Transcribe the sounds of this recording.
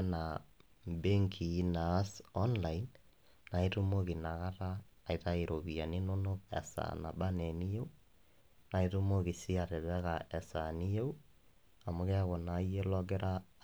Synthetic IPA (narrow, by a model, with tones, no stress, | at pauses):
na | be˦ŋkʰi˨˦nasɔ˦nlainː | a˨itu˦mo˦ɣi˨na˨ɣa˦ɾaː˦˨ita˦iɾo˨βia˨ni˦no˦no˦ɛ̰sa̰na̰˨βa˦nɛ˨ni˦je˦u˦ | na˨itu˦mo˦ɣi˨si˦a˨ɾe˨βɛ˦ɣaʔɛ˨sani˦je˦u˦ | a˨muɣɛ˦ɣɔ˨na˨˦ie˦lɔ˦ɣɛ˦ɾʔa